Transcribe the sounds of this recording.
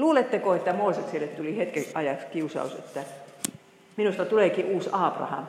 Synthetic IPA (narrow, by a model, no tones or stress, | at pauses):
luːlet̪ːekoet̪ːæmoːˑsekselːet̪t̪ulihet̪keʔɑjɑkskiusɑ̰usḛt̪ːæ | minust̪ɑt̪uleˑkiʔuːsɑːprɑ̰hɑ̰m